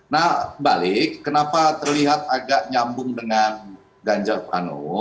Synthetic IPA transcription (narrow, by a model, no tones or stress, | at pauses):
nahbalɪkːənapat̪ərliɦat̪̚aɡaʔɲambʊŋdəŋan | ɡaɲd͡ʒarpa̰nɔ̰